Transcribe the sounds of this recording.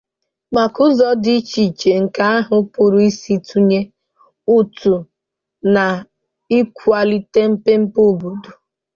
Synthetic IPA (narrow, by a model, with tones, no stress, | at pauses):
ma˨kʊ˦zɔ˦di˦t͡ʃi˨t͡ʃe˨ŋ̩˨ka˦a˦ɦʊ˨˦pʊ˨ɾʊ˨i˦si˦tu˦ɲe˦ | u˦tu˨ | na˨ | i˦kʷu˦a˨li˦te˦m̩˦pe˦m̩˦po˦˨bu˨du˨